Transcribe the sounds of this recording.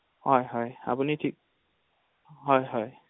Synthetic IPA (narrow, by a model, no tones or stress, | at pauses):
hɔjɦɔja̰punitʰik̚ | ɦɔjɦɔj